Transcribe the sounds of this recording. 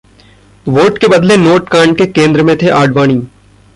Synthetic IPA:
ʋoːʈkebɐd̪lenoːʈkãːɳʈkekẽːnd̪ɾəmẽt̪ʰeʔaːɖʋaːɽ̃iː

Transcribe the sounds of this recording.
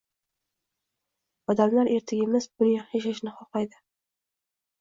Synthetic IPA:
ɒd̪amlaɾʔe̞ɾt̪ʰɪɡʲɪmɪzbʊnjaeʃaʃnɪχɒqajd̪ɪ

